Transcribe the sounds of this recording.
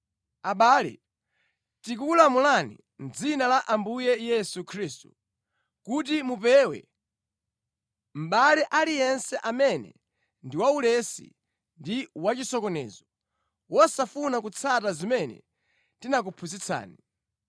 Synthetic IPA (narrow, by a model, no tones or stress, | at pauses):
aɓaːlɛ̰ | tik̬ukulamulanḭ | n̩d͡zinalaʔambujɛjɛsukʰɾistu̥ | kut̬imupɛwɛ̰ | m̩ɓalɛʔalijɛnsɛʔamɛnɛ̰ | ndiwaulɛsḭ | ndiwat͡ʃisɔkɔnɛ̰ːzɔ | wɔsafunakut͡sʰatazimɛnɛ̰ | tinak̬upʰuzit͡sʰa̰ːni